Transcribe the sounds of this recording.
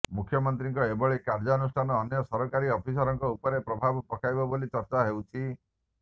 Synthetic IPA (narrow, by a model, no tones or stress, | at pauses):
mukʰjɔmɔnt̪ɾiŋkɔebɔɭekaɾd͡ʒaɔnusʈʰanɔːnjɔsɔɾɔkaɾiɔpʰisɔɾɔŋkɔupɔɾepɾɔbʱabɔpɔkʰajbɔbolit͡ʃɔɾt͡ʃaɦewt͡ʃʰi